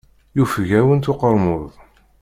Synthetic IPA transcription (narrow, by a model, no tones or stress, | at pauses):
jufʝæwənt̪ʊqəɾˤmʊðˤ